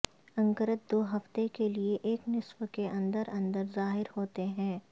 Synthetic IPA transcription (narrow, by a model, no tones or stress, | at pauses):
ɐ̃ŋkəɾət̪̚d̪oːɦɐft̪ekelieʔeːknɪswkeʔɐ̃nd̪əɾɐ̃nd̪əɾzaːɦɪɾhoːt̪eɦɛ̃ː